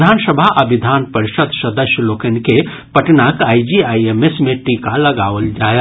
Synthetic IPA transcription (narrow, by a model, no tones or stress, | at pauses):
d̪ʱansəbʱaʔəbid̪ʱanpəɾiʃəd̪ʱsəd̪əsjəlokenke | pəʈnakaid͡ʒiajemesmeʈikaləɡaʋəld͡ʒajə